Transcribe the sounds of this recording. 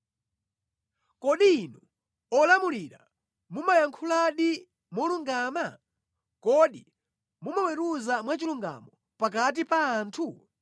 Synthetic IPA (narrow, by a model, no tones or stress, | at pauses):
kɔɗiːnɔ | ɔlamuliɾa̰ | mumajaŋkʰulaɗi | mɔluŋɡaːma | kɔɗi | mumawɛɾuzamwat͡ʃiluŋɡa̰mɔ | pak̬at̬ipaːntʰu